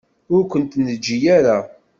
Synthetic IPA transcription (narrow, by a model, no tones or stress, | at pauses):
ʊɾkʷənt̪nəd͡ʒːijaɾa